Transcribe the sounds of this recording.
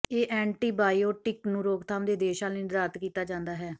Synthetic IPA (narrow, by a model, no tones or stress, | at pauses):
eːʔɛːɳʈiːbaːioːʈɪknũːɾoːkt̪ʰaːmd̪eːd̪eːʃaːlniːɾaːt̪kiːt̪aːd͡ʒãːnd̪aːɦɛː